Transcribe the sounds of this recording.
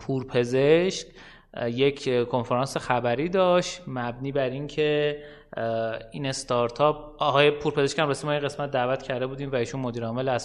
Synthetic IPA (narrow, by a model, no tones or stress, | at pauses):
pʰuːɾpʰe̞zeʃc | je̞cʰkʰo̞nfeɾɒːnsexæbæɾiːd̪ɒːʃt̪mæbniːbæɾiŋcʰe | iːne̞st̪ɒɾt̪ʰɒːp̚ | ʔɒɦːjepʰuːɾpʰe̞zeʃkcæmɾesimɒːinɣe̞smæt̪̚d̪æːvæt̪cʰæɾd̪e̞buːd̪iːmvæiːʃunmod̪iːɾɒːme̞læs